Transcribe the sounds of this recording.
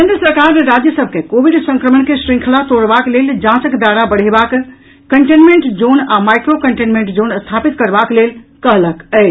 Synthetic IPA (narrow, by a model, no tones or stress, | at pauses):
kend̪ɾəsəɾkaɾneɾad͡ʒjəsəb̚ʱkekobiɖsə̃ŋkɾəmənkesɾĩŋkʰlat̪oɽbakleld͡ʒãt͡ʃəkd̪aɾabəɽ̤ebak | kəɳʈenmeɳʈd͡ʒonamajkɾokəɳʈenmẽɳʈd͡ʒonst̪ʰapit̪kəɾbaklelkəɦləkəɪ